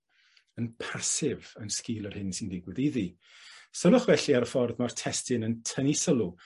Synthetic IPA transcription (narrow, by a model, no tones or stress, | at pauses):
ənpʰasɪvənskɪːlˠərhɪnsɪndɪɡwɪðiði | səlˠʊχvɛɬiaɾəfɔrðmartʰɛstɪnəntʰənisəlˠu